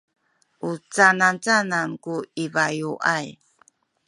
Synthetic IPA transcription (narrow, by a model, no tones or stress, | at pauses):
ʔut͡sanant͡sanankuivajuʔaj